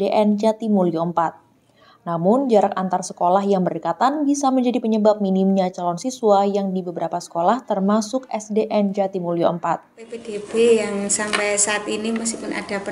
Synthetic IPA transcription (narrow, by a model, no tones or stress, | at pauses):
eʔɛnd͡ʒat̪imulioəmpat̪̚ | namʊnd͡ʒaɾak̚ant̪arsəkolahjaŋbərikat̪anbisaməɲd͡ʒadipəɲəbap̚minimɲat͡ʃalɔnsisuajaŋdibəbəɾapasə̥kolaht̪ərmasʊkɛsdeʔɛnd͡ʒat̪imuljoəmpat̪̚pepedebejaŋsampajsaːt̪iniməs̬kipʊna̰d̥ap